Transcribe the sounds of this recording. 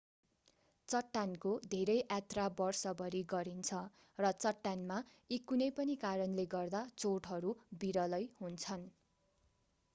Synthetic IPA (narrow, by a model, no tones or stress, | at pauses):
t͡sʌʈːankod̪ʱeɾʌjʔat̪rabʌrsʌbʌɾiɡʌɾint͡sʰʌ | rʌt͡sʌʈːanma | ikunʌjpʌnikaɾʌnleɡʌrd̪at͡soʈɦʌɾubiɾʌlʌjɦunt͡sʰʌn